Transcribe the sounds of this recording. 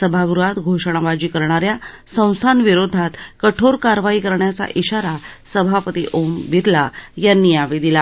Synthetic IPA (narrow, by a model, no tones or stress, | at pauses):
səbʱaɡɾuɦat̪ɡʱoʂɽ̃aʋad͡ʑiːkəɾɳ̃aɾja | sə̃w̃st̪ʰanʋiɾod̪ʱat̪kəʈʰoɾkaɾʋaikəɾɳjat͡sa̰ʔiɕaɾasəbʱapət̪iʔomʋiɾlajanːiaʋid̪ila